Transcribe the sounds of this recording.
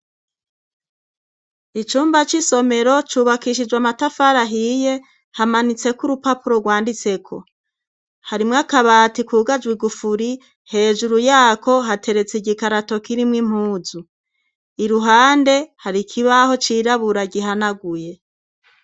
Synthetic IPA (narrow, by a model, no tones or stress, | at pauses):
it͡ʃuːmbat͡ʃiso̞me̞ɾo̞t͡ʃuːβakiʃid͡ʒwamatafaɾaɦije̞ | hamanit͡se̞kuɾupapuɾo̞ɡwaːndit͡se̞kʰo̞ | haɾimŋakaβaːtikuːɡad͡ʒwiɡufuɾi | he̞ːʒuɾujaːko̞ɦatʰe̞ɾe̞t͡siɟikaɾato̞kiɾimŋim̥huːzu | iɾuɦaːnde̞haɾikʰiβaho̞t͡ʃiːɾaβuɾaɟiɦanaɡuje̞